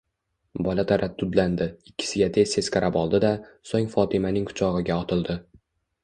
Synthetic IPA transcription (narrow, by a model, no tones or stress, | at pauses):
bɒlat̪ʰaɾat̪ʰːʊd̪land̪ɪɪkʲːɪ̥sɪɡʲat̪ʰe̞zt̪e̞skʰʲaɾʔapɒlˠd̪ɪd̪asoŋfɒt̪ʰɪmanɪŋkʰʊ̥t͡ʃʰɒʁɨɡʲaɒt̪ʰɪlˠd̪ɪ